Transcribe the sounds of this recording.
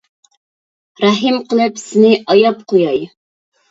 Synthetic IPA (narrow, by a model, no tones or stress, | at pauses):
ɾɑɦɨmqʰəlˠɨpsɪnɪʔɑjɑpqʰojɑj